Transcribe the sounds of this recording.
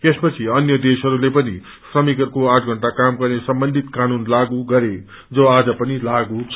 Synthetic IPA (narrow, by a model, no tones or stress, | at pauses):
espʌt͡sʰiʌnjʌd̪esɦʌɾulepʌnḭ | srʌmikʌɾkoãʈʰɡʱʌɳʈakamɡʌrnesʌmbʌnd̪ʱit̪kanunlaɡuɡʌɾe | d͡zʌad͡zʌpʌnilaɡut͡sʰ